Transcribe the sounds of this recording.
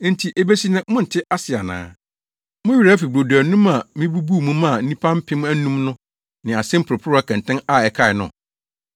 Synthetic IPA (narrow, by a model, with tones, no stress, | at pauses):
n̩˦tʰi˨ʔe˦be˦si˦nɪ̃˦mʊ̃˦n̩˨tʰɪ˦ʔa˦sɪ˨a˨nã̰ː˦ | mʊ̃˦ɥi˨ɾa˦fi˨bo˨du˨æ˨nũ˦ma˨mĩ˦bu˦bu˦˨mũ˦mã˦˨n̩˦nĩ˦pʰã˦m̩˦pʰɪ̃˦m̃˦æ˦nũ˦mnʊ̃˦ | nɪ̃˨a˨sɪ̃˦m̩˦pʰʊ˨ɾʊ˨pʰʊ˦ɾʊ˦a˦kʰɛ̃˨n˨tʰɪ̃˦na˨ɛ˨kʰa˦˨ɪ˨nʊ̰̃˨